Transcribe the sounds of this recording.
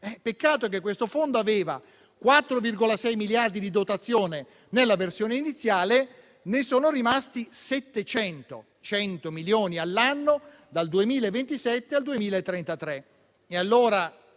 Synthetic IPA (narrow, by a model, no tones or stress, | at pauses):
ɛpekːaːt̪ok̟ekːwest̪ofond̪oaveːva̰ | kwat̪ːɾovirɡolasɛjmiljard̪id̪id̪ot̪at̪sːjoːne | nelːaversjoːneinit̪sːjaːle | nesoːnorimast̪isɛt̪ːet͡ʃɛnt̪o̰ | t͡ʃɛnt̪omiljoːnialːanːo | d̪ald̪uemiːlaevːent̪isɛt̪ːeald̪uemiːlaet̪ːɾent̪at̪ɾe | ealːoːɾa